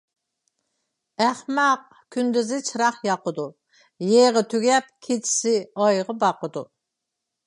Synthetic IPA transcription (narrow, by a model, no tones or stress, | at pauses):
æχmɑq̚ | kʲʰynd̪yzɪt͡ʃʰɨɾɑχjɑqəd̪u | jeʁət̪ʰyɡʲɛp̚kʲʰet͡ʃʰi̥sɪɑjʁəbɑqəd̪u